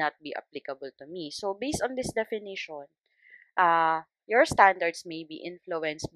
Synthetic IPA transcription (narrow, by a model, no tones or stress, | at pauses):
ɐt̪̚biʔa̰plikɐbəlt̪ʊmisobejst̪ɔ̃nd̪ɪsd̪ɛfɪnɪʃɔn | ʔa | jɔɹst̪and̪ɐɹd̪smejbḭʔɪ̃nfluɛ̃nsm